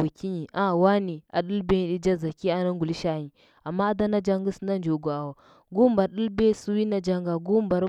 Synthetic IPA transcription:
u˨kʲi˦ɲi˨ʔa˦˨wa˦ni˨a̰˨ɗu˦lbe˦ɗi˦d͡ʒa˦za˨kʲi˦a˦na˦ŋɡu˨li˦ʃa˦ɲi˨ | a˨mːa˦a˦da˦na˦d͡ʒa˦ŋɡa˦sna˦nd͡ʒo˨ɡo˨a˨wa˨ | ɡu˦ba˨ɗu˦lbe˦su˦wi˦na˦d͡ʒa˦ŋɡa˨ɡu˦mba˨ɾ

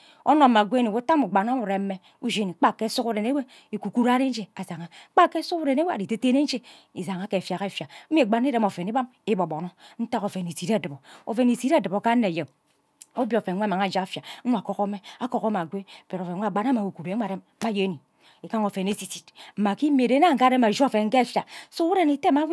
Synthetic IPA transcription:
o˦no˨˦ma˨ɡʷe˦ni˨wu˦ta˦mu˨ɡ͡ba˨na˦mu˨ɾe˨m̩˦me˦ | u˦d͡ʒe˦ni˨˦k͡pa˦˨kːe˦su˦ku˦ɾe˨ne˦we˦ | e˨ku˨ku˦ɾa˦ɾe˦n̩˦d͡ʒe˦˨a˨za˨ŋa˨˦k͡pa˦kːe˦su˦ku˦ɾe˨ne˦we˦a˨i˨te˦te˦ne˦n̩˦d͡ʒe˦ | i˨za˨ŋa˨˦ke˨fja˨ɣe˦˨fja˨˦˨ɡ͡ba˨n˦i˦ɾe˦mo˨fe˨ni˦ba˦m | i˦bo˨bo˨no˦n̩˦ta˦ko˨fe˨ni˨si˨ɾe˦˨dɨ˨bo˨o̰˨fe˨ni˨si˦ɾdɨ˨bo˨ka˦nːe˨je˨m | o˦bjo˨fe˨˦e˦˨ma˨ŋa˨d͡ʒa˦a˨˦fja˨˦we˦a˨ko˦ko˦me˦a˦ko˨ɣo˦ma˨ɡʷe˦˨pe˨ɾo˨fe˨˦˨ɡ͡ba˨˦na˦ma˨u˨ku˨ɾʷe˨ɾe˦m˦a˦je˦ni˨ | e˨ka˦ŋo˨fe˨ne˦si˨si˨tm̩˨ma˨ki˦m˦e˨de˦na˦ŋ̩˨˦a˦ɾe˦ma˨d͡ʒfe˨ŋ̩˦ke˦˨fja˨so˦u˦ɾe˨ne˨te˦ma˦

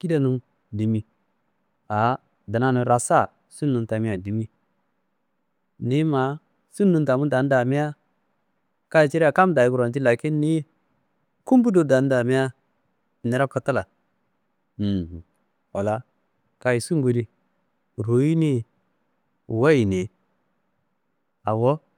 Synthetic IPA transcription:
ki˦da˦nu˦ | di˨mi˦ | a˨ | da˨na˦nu˨ɾa˨sa˦˨ | su˦nːu˨nta˨mi˦a˨di˨mi˦ | ni˦ma˨˦ | su˦nːu˨nta˨mu˦da˨n˦da˨mi˦ja˦ | ka˦i˨t͡ʃi˦ɾi˦a˨ka˦mda˨ji˦ku˨ɾo˨nt̬i˦la˨ki˦nːi˦ | ku˦mbu˦do˨da˨n˦da˨mi˦ja˦˨ | ne˨ɾa˦ko˨ta˦la˨ | wa˨la˦ | ka˦ji˨su˦ŋɡu˨ɾi˦ | ɾu˨ji˦ni˦˨ | wa˦ji˨ne˨ | a˨wo˦

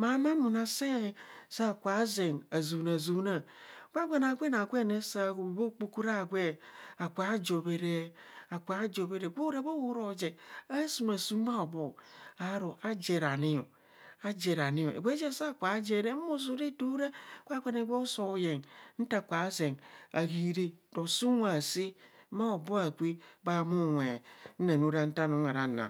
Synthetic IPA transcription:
ma˨˦ma˦mu˨na˨se˦˨sa˦˨kʷa˨˦ze˨ŋa˨zu˨na˨zu˨˦na˨ | ɡʷa˦ɡʷe˦na˨ɡʷe˦na˨ɡʷe˦˨ne˦sa˦˨bo˦k͡pu˦ku˦ɾa˦˨ɡʷe˦a˨kʷa˨˦d͡ʒo˨be˨ɾe˦a˨kʷa˨˦d͡ʒo˨be˦ɾe˨ɡʷo˦ɾe˦bo˦wu˦ɾo˨d͡ʒe˨a˦su˨ma˨su˦ma˦o˨bo˨a˨˦ɾo˨ʔa˦d͡ʒe˨ɾa˨ni˦o˨ | a˦d͡ʒe˨ɾa˨ni˦jo˨ḛ˨ɡʷe˦d͡ʒe˦˨sa˦˨kʷa˨˦d͡ʒe˨ɾe˦mu˦s̬u˦ɾe˦tu˦ɾe˦˨˦kʷa˦kʷe˦ne˨˦ɡo˦so˦˨˦je˨ŋn̩˦ta˦˨kʷa˨˦ze˨ŋa˨ɡi˨ɾe˦do˨su˦a˨si˦ma˦o˨bo˦a˨kʷi˦ba˦mu˦wʷe˨n̩˦na˨nu˦ɾa˦n̩˦ta˦no˨˦ŋa˨ɾa˨˦na̰˨

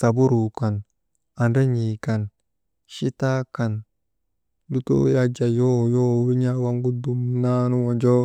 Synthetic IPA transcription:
sa˨bu˦ɾu˨ka˨n | a˨nda˦ɲi˨ka˨n | ʃi˦ta˦ka˨n | lu˦to̰˦ja˦d͡ʒa˨jo˦˨jo˦˨wi˦ɲa˦wa˦ŋɡu˦du˨mna˦nu˦wo˨d͡ʒo˦

